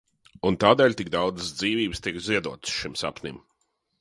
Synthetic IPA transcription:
unt̪aːd̪ɛːlʲt̪ik̚d̪awd̪zəsd̪ziːviːbst̪ikziɛd̪uɔt̪ɨ̥sʃimsa̰pnʲḭm

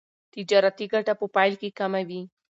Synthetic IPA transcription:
t̪id͡ʒaɾat̪iɡaʈapʊpajlkikamawi

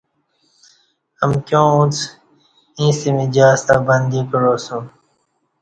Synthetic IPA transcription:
əmkjõːũt͡s | ĩːsimid͡ʑaːst̪abənd̪iːkəɾoːsũː

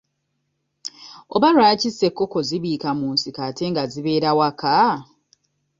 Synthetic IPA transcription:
o̰βaɾwaːcise̞kːo̞koziβiːkamuːnsikate̞ŋɡaziβe̞ːɾawaka

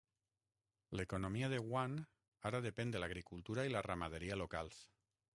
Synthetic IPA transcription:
lekonomiaðeɣwan | aɾaðepend̪elaɣ̞ɾikulˠt̪uɾailaramað̞eɾialokals

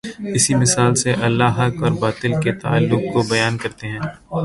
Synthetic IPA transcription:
ɪsimɪsaːlseʔɐlːaɦɐkɔːɾbaːt̪ɪlket̪a̰ːalːʊk̚kobɐjaːnkɐɾt̪eɦɛ̃ː

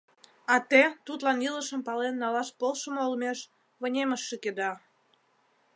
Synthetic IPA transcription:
ɑt̪et̪ut̪lɑniləʃəmpɑlenːɑlɑʃpolʃəmoolmeʃ | βə̆nʲeməʃːeked̪ɑ

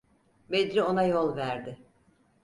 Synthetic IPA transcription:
bed̪ɾio̞najo̞lˠvæɾd̪ɪ

